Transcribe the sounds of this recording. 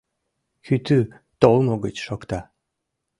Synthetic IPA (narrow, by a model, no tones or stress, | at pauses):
xyt̪y | t̪olmoɡət͡ɕʃokt̪ɑ